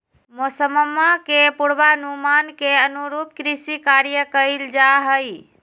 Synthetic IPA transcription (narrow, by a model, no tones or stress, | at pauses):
mosəməmːakepuɽbanumankeənuɾuːp̚kɾisikaɾjəkəɪld͡ʒaɦəj